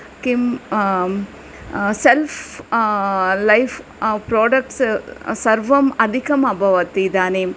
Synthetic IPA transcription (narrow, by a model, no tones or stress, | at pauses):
kim | self | lɐɪf | pɾoːɖɐk̚ʈssɐɾʋɐmɐd̪ʱikɐmɐbʱɐʋɐt̪id̪aːneːm